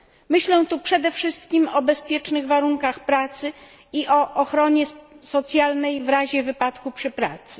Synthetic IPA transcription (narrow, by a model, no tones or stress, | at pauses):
mɘɕlɛ̃t̪upʂɛd̪ɛfʂɘst̪kʲimɔbɛspʲjɛt͡ʂnɘɣvaɾuŋkaxpɾat̪sɘ | iʔɔʔɔxɾɔɲɛsɔt̪sʲjalnɛjvɾaʑɛvɘpat̪kupʂɘpɾa̰t̪sɘ̥